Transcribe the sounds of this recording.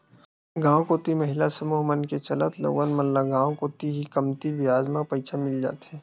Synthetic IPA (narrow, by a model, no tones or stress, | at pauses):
ɡãːõkoːt̪iməɦɪlasɐmuːɦmənket͡ʃɐlət̪lo̰ːɡənmənlaɡãːwkoːt̪iɦikəmt̪ibɪjaːd͡ʒmãpɐɪt͡ʃʰamɪld͡ʒa̰ːt̪ɦɛː